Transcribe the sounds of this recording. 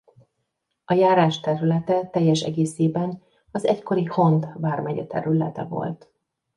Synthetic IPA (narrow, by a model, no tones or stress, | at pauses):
ɒjaːɾaːʃt̪ɛɾylɛt̪ɛt̪ɛjːɛʃɛ̰ɡeːseːbɛn | ɒzɛcko̞ɾiho̞nt̪baːrmɛɟɛt̪ɛ̰ɾylɛt̪ɛ̰vo̰lt̪